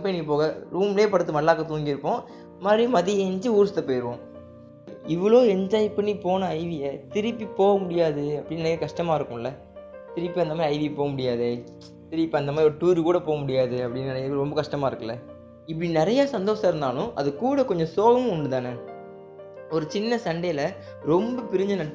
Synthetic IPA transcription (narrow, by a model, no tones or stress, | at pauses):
ɐpːɐnikːɯpoːɣɐɾuːmɪleːpɐɽɯt̪̬ːɯmɐɽlaːkɐt̪uːŋɡiɪɾɯpːõː | ɐmaːd̪ɾimɐðind͡ʒɯuːɾɯst̪ːɐpoːjɪɾɯʋõː | ɪʋɐɭoːɛɲd͡ʒaːjpːɐnːipoːnɐɐɪʋɪjɐt̪ɪɾɪpːipoːɣɐmʊɽɪjaːðɯɐpːɐɽɪnːɐnjɐkɐʂʈɐmaːɪɾɯkːʊ̃ɪlːɐ | t̪ɪɾɪpːiɐnd̪ɐmaːdɾɐɪʋipoːɣɐmʊɽɪjaːðɯ | t̪ɪɾɪpːiɐnd̪ɐmaːɾiɔɾɯʈuːɾɯkuːɽɐpoːɣɐmʊɽɪjaːðɯɐpːɐɽɪnːɐnɾɔmbɐkɐʂʈɐmaːɪɾɯkːɐlɐ | ɪp̬ːɐɽinɪɾɐjaːsɐnd̪oːsɐ̃ɪɾɯnd̪aːlʊ̃ʔɐ̰ðɯkːuːɽɐkɔɲd͡ʒɔ̃soːɣɐm̃ʊɳɖɯt̪aːnɐ | ɔɾɯt͡ʃɪnːɐsɐɳɖejlɐ | ɾɔmbɐpɪɾɪɲd͡ʒɐnɐʈː